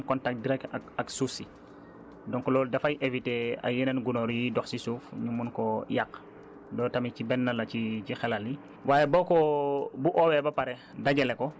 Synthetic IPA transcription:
kɔntak̚diɾɛk̚takɐksusi | dɔŋklɔːldɐfɐjʔevitea̰jinɛnɡunɔɾjidɔxsisuːfɲumunkɔjakː | dɔːtɐmicibɛnːɐlɐcicixɛlali | waːjebɔkɔbuʔɔwɛbɐpɐɾɛ | daɟɛlɛkɔ

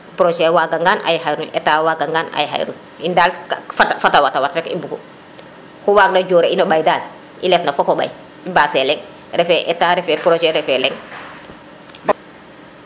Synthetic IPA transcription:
pɾoʒɛwaɡaŋɡaːnʔa̰jhajɾunɛtawaɡaŋɡaːna̰jɦa̰jɾṵn | indaːlfatfatawatawatɾɛkḭbukṵ | huwaːɡ̚naɟoːɾeinobajdaːl | ilɛtnɐfɔkɔba̰j | ibaːsɛlɛŋ | ɾɛfɛʔɛtaɾɛfɛpɾoʒɛɾɛfɛlɛŋ

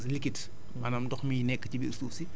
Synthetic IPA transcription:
slikit | manamdɔxmiːnɛkːə̥cibiustuːsi

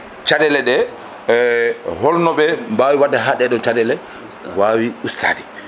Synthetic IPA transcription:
t͡ʃadɛlɛɗɛ | hɔlnɔɓɛmbawiwadːaɦaɗɛɗɔnt͡ʃadɛlɛ | wawiustʰa̰ːdi

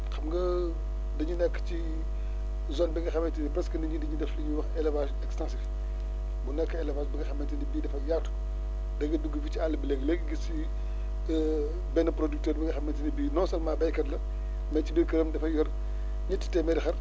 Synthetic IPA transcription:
xɐmɡɐ | dɐɲunɛkːt͡ʃi | zɔnbɛŋɡɐxɐmɐtinipɾɛskɐnɐɲudɐɲudɛflɐɲuwɐxɛlɛvasɛkstãnsif | bunɛkːɐɛlɛvasbɐŋɡɐxɐmːɐntinibiːdɐfɐjatu̥ | dɐɡɐduɡːəfit͡ʃialːɐbilɛɡlɛɡɡisi | bɛnɐpɾoduk̚tɛːɾbɐɡɐxɐmːɐntinibiːnɔːsɐlmaːbɐjkɐtlɐ | mɛt͡ʃibiɾkɐɾəmdɐfɐjɔr | ɲɐtːi̥tɛmɛdixɐr

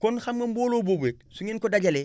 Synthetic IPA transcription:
konxamɡomboːloːbobek̚suŋiːnkodaɟale

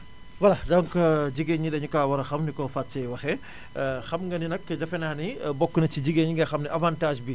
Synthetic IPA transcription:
wɐlɐdɐŋkd͡ʒiɡeɲidɐɲukaːwɐɾɐxɐmnikɔfatsɛjwɐxɛ | xɐmŋɡɐninɐkːdɐfɛnaːnibɔkːunɐt͡ʃːid͡ʒiɡeɲiŋɡɐxɐmniʔɐvaːntaːʒbi

